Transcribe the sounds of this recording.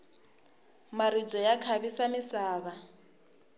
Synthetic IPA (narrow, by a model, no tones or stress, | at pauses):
marit͡sɔjakʰaβisamɪsaːβa